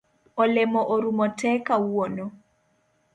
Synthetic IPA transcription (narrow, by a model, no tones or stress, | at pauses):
olɛmɔʔoɾumɔtɛkawonɔ